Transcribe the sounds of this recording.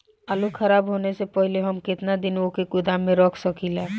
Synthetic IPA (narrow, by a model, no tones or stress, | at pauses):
alukʰəɾaːbɦoːnesepəɦɪleɦəmkɪt̪nad̪ɪnokekʊd̪amːẽɾɔːkʰsəkʰilɛː